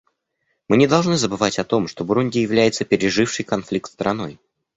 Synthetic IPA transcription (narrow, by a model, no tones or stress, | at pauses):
mɨnʲɪd̪ɐlˠʐnɨzəbɨvatʲɐt̪o̞mʂt̪o̞bɾunʲdʲɪjɪvlʲæjɪt̪səpʲɪɾʲɪʐɨfʂɨjkɐnflʲik̚t̪st̪ɾɐno̞j